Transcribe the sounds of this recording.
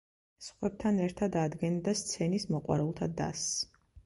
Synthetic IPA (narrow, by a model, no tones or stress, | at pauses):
sχwɛb̚t̪ʰanɛɾt̪ʰad̪ad̪ɡɛnd̪ast̪sʰɛnismɔqʼwa̰ɾulˠt̪ʰad̪a̰s